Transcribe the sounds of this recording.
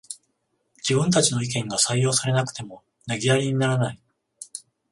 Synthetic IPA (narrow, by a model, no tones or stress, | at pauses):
d͡ʑibɯ̟̃nt̪at͡ɕino̞ik̬ẽ̞ŋɡasaijo̞ːsaɾe̞nakɯ̟̥t̪e̞mo̞ | naɡʲiaɾʲiɲ̟inaɾanai